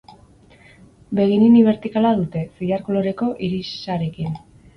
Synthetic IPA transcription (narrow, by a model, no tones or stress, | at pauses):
be̞ɣ̞iniuniβ̞e̞ɾt̪ikalaðut̪e̞siʎaɾko̞lo̞ɾe̞ko̞ʔiɾisaɾe̞kin